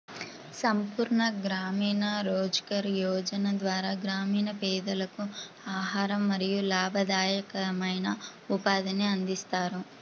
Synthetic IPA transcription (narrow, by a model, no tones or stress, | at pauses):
sɐmpuːɾɳɐɡɾaːmiːnɐɾoːd͡ʒkɐɾjɔːd͡ʒɐnɐd̪ʋaːɾaːɡɾaːmiːnɐpɛːd̪ɐlɐku | aːɦaːɾɐmːɐɾijulaːbʱɐd̪aːjɐkɐmɐjnɐ | upaːd̪ɐneɐnd̪ist̪aːɾu